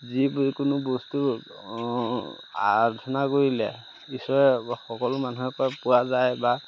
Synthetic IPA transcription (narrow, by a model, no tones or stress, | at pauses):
zibkʊnʊbɔstu | a̰tʰɔnakoɹilɛ̰ | isɔɹɛxɔkɔlʊmanuɦɛkɔpuwazajba